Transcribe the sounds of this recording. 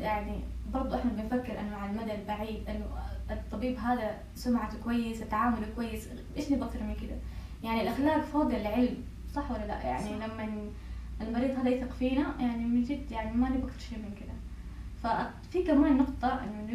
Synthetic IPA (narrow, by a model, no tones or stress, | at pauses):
jaʕnibɑɾˤd̪ˤʔɪħnabɪnfakːɪɾʔɪnːʊmaʕalmad̪albaʕiːd̪ʔɪnːʊt̪ˤːɑbiːbɦaːd̪a | sʊmʕakʊwajːɪsat̪ːaʕaːmʊlkwajːɪs | ʔḛːʃnɪbʔak̚t̪ɑɾˤmɪnkɪd̪a | jaʕnilʔaxlaːkfɑːd̪ɨlʕɪlm | sˤɑħːwalːala̰ʔja̰ʕnilamːan | ɪlmɑɾiːd̪ˤhaːd̪aʔɪθɪqfiːnajaʕnimɪnd͡ʒɪd̪jaʕnimanɪbʔakθɑɾˤʃeːmɪnkɪd̪a | fa | fikamaːnːʊqt̪ˤɨʕʔɪ̰nːʊn